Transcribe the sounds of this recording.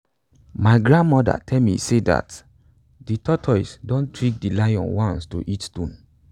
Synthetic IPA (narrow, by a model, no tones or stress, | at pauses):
maɪɡɹãnmɔda̰tʰɛlmḭseda̰t | ditɔtʰɔɪsdõntʰɹĩk̚dilajɔ̰̃nwãnsto̰ʔitstũn